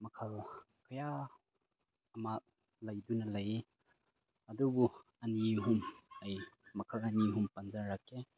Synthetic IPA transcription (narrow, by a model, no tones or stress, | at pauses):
mɐkʰɐlkʰɐja | ma | lɐjdunɐlɐj | ɐdubu | ɐniɦumɐjmɐkʰɐlɐniɦumpɐnzɐɹːake